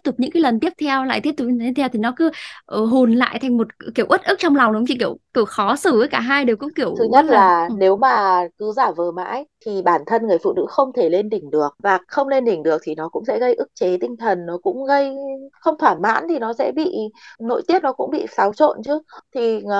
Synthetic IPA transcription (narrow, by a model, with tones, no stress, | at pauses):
i˥p̚t̪ʊ˨˩p̚ɲɨ̰˧˥ŋkːaː˨˦jlə˨˩nt̪i˦˥p̚t̪ʰɛ˧wla̰ː˧˨j̪i˦˥t̪ʊ˨˩ɲ˧e˦˥˩t̪ʰɛ˧wt̪ʰi˨˩nɔ˨˦kɨ˨˦ʔə˨˩ɦu˨˩nla̰ː˧˨jt̪ʰa˨˩jŋ̟mo˨˩t̚ki˧˩əwʔə˦˥t̚ʔɨ˦˥k̚t͡ɕɔ˧ŋ͡mla˨˩wŋ͡mɗŋ͡mt͡ɕʰi˧˩ki˧˩əwki˧˩əwxɔ˨˦sɨ˧˩ʔəː˨˦jkaː˧˩ɦaː˧jɗe˨˩wkʊ̰˧˥ŋ͡mki˧˩əwt̪ʰɨ˨˦ɲə˦˥t̚llaː˧˨˩ne˨˦wmaː˨˩kɨ˨˦zaː˧˩vəː˨˩ma̰ː˧˥jt̪ʰi˨˩ɓaː˧˩nt̪ʰə˧nŋɨ˨˩əjfṵ˧˨nɨ̰˧˥xə˧wŋ͡mt̪ʰe˧˩le˧nɗï˨˩ŋ̟ɗɨ˨˩ək̚vaː˨˩xə˧wŋ͡mle˧nɗï˨˩ŋ̟ɗɨ˨˩ək̚t̪ʰi˨˩nɔ˨˦kʊ̰˧˥ŋ͡msɛ̰˧˥ɣə˧jʔɨ˦˥k̚t͡ɕe˨˦t̪ï˧ŋ̟t̪ʰə˨˩nːɔ˨˦kʊ̰˧˥ŋ͡mɣə˧jxə˧wŋ͡mt̪ʰwaː˧˩ma̰ː˧˥nt̪ʰi˨˩nɔ˨˦sɛ̰˧˥ɓḭ˧˨no̰˧˨jt̪i˦˥əp̚nɔ˨˦kʊ̰˧˥ŋ͡mɓḭ˧˨saː˨˦wt͡ɕo̰˧˨nt͡ɕɨ˨˦t̪ʰi˨˩